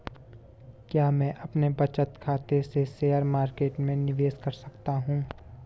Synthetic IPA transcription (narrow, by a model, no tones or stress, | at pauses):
kjaːmɛ̃ːʔɐpnebɐt͡ʃət̪kʰaːt̪eseseːəɾmaːɾkeːʈmẽnɪʋeːskɐɾsɐ̥kt̪aɦũː